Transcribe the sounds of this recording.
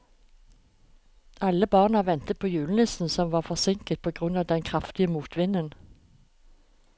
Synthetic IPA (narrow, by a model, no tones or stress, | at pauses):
ʔɑləbɑːʁnɑʋɛnt̪əpʰoːjʉːln̩ɪsn̩sɔmʋɑːʁfɔʁsɪŋkəlt̪̚pʰoːɡʁʉnɑːd̪ɛnkʰʁɑft̪ɪəmuːt̪ʰʋɪnən